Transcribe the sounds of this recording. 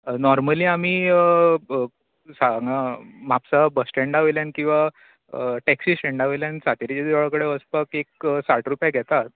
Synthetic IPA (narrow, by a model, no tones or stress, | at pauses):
nɔɾməliːam̤iː | saŋam̤apsabəsʈẽɳɖaʋeljãnkĩw̃ʋa | ʈɛksisʈeɳɖaʋeljansat̪iɾit͡ɕad̪ɭkəɽeəspəkek̚saʈɾupjaɡʱɛt̪at̪̚